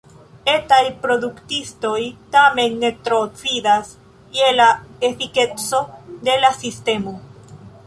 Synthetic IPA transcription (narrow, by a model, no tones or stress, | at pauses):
e̞t̪ajpɾo̞d̪ukt̪ist̪o̞jt̪ame̞nːe̞t̪ɾot͡sidas | ielaefiket͡so̞d̪e̞lasist̪e̞mo